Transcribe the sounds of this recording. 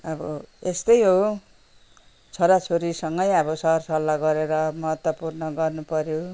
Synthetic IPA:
ʌbʌest̪ʌjɦo | t͡sʰoɾat͡sʰoɾisʌŋɡʌjʌbʌsʌɦrsʌlːaɡʌɾeɾʌmʌɦʌt̪wʌpurnʌɡʌrnupʌɾjo

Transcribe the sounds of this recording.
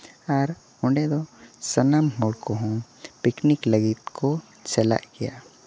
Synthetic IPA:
aɾ | ʊ̃ɳɖed̪osɐnamɦoɽkoɦõpɪknikləɡit̪kʰo | t͡ʃɐla̰ɡɛja̰ː

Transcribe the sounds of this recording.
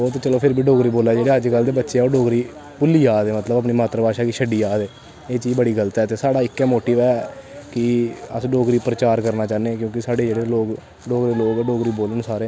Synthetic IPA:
ɔːt̪ːt͡ʃəloːpʰɪɾbiːɖoːkɾiːboːlaːd͡ʒeːɽeːəd͡ʒkəld̪eːbətːʃeːoːɖoːɡɾiː | pʊlːiːaːd̪eːmət̪ləbəpniːmaːt̪ɾəbaːʃaːkiʃʰəɖiːaːd̪eː | eːt͡ʃiːbəɽiːɡəlt̪ɛːt̪eːsaːɽaːɪkːɛːmoːʈiːʋɛːkɪəsɖoːɡɾiːpəɾət͡ʃaːɾkəɾnaːt͡ʃaːneːkjõːkɪsaːɽeːd͡ʒeːɽeːloːɡ | ɖoːkɾeːloːɡɖoːɡɾiːboːlənsaːɾẽː

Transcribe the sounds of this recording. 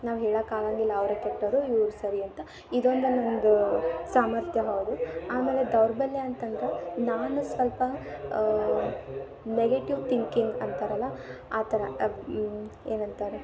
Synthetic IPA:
naːʋɦɛːɭakaːlaŋɡilːɐːʋɾɐkeʈːɐɾuuːɾusɐɾiɐnt̪ɐ | id̪o̞nd̪unond̪usaːmɐɾt̪ʰjɐɦɐːd̪uaːmeːled̪ɐwɾbɐlːeɐnt̪ɐnd̪ɾɐnaːnusʋɐlpɐ | neɡeʈiʋt̪iŋkiŋɡɐnt̪ɐɾɐlːɐaːt̪ɐɾɐ | eːnɐnt̪ɐɾe

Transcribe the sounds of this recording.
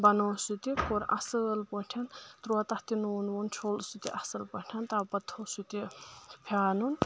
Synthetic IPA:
bɐnoːsut̪ikoɾɐ̰sɨlpəʈʲʰɐnt̪ɾuat̪ɐht̪inuːnwunt͡ʃʰolsut̪iʔɐsɐlpɐʈʲʰɐnt̪abɐt̪ʰːosut̪ipʰʲaːnun

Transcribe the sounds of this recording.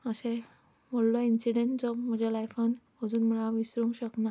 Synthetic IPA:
əsẽ | məɽlɔinsiɖeɳʈd͡zɔm̤əd͡ʑelajfanɦəd͡zuːnm̤əɭaʋisɾũŋɕəkna

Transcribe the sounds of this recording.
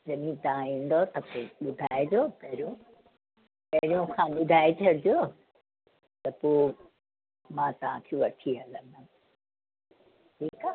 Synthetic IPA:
d͡ʑɐmĩt̪ɐʋãĩːn̆d̪ot̪ɐpoːɓʊd̪ʱaːed͡ʑoːpɐɦɪɾijõ | pɐɦɪɾijõkʰãːɓʊd̪ʱaːet͡ɕʰɐɽd͡ʑjoː | t̪ɐpoː | mãːt̪ɐʋ̤ãkʰeʋɐʈʰiɦɐlə̃nd̪ã | ʈʰiːka

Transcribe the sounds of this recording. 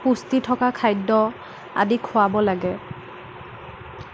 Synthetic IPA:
pustitʰɔkakʰajdɔ | a̰dikʰʊabɔlaɡɛ

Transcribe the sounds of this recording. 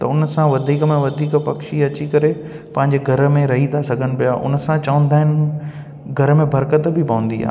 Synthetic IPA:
t̪ɐʊnəsãʋɐd̪ʱiːkəmẽʋɐd̪ʱiːkpɐkʃiɐt͡ɕikɐɾe | pɐ̃ɦɪ̃ɲ̆d͡ʑeɡʱɐɾə̆mẽɾɐɦĩd̪asɐɡʱəñ̆pijaːʔʊ̰nə̆sãt͡ɕɐʋə̃nd̪aːɦɪnɪ̆ | ɡʱɐɾəmẽbʱɐɾkət̪bʱɪpɐ̃ʋə̃nd̪ia̰ː

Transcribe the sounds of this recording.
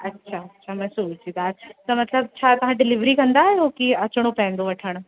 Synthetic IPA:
ɐtːɕʰaɐtːʃʰamɛ̃ːsut͡ɕid̪aːt̪ɐmɐt̪ləb̚t͡ɕʰat̪ɐʋ̤ãɖɪlɪʋɾikɐ̃nd̪aɦɛɦoːkiɐt͡ɕɽ̃opɛ̃ɦɪ̃nd̪oʋɐʈʰəɽ̃

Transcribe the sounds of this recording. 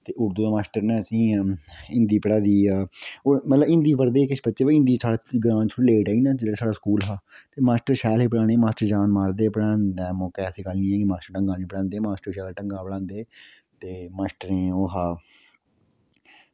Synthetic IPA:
t̪eːʔʊɾd̪uːaːmaːsʈəɾnɛ̃ːəsĩːɪ̃nd̪iːpəɽaːd̪iːoːmət̪ləbɪ̃nd̪iːpəɾd̪eːkɪʃbətːt͡ʃeːʋeɪ̃nd̪iːsʰaːɽaɡɾãːnt͡ʃʰːleːʈaːiːnaːd͡ʒeːɽaːsaːɖaːskuːlɦaːt̪eːmaːsʈəɾʃɛːleːpəɽãːɽ̃eːmaːsʈəɾd͡ʒaːnmaːɾd̪eːpəɽãːd̪ɛːmɔːkeːəsĩːkəlnĩːɛ̃ːkɪmaːsʈəɾʈəŋɡaːnĩːpəɽãːnd̪eːmaːsʈəɾʃɛːlʈəŋɡaːpəɽãːnd̪eː | t̪eːmaːsʈəɾẽːoːɦaː

